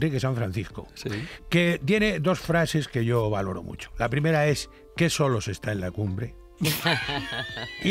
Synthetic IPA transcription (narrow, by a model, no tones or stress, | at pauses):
rikesãɱfɾãnθisko̰sket̪je̞ne̞d̪o̞sfɾase̞ske̞ʝo̞βalo̞ɾo̰mṵt͡ʃo̥lapɾime̞ɾae̞s | ke̞so̞lo̞se̞st̪aenlakumbɾe | i